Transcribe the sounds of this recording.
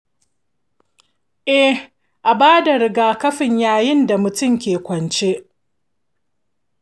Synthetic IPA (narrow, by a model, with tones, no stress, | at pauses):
ʔɛ˦ | ʔa˨baː˦da˨ɾɪ˦ɡaː˨kɐ˦ɸɪ˨ɲjaː˦jɪ˦nda˨mʊ˨tʊ˦˨mkʲeː˨kʷɐ˨nt͡ʃe˦ʔ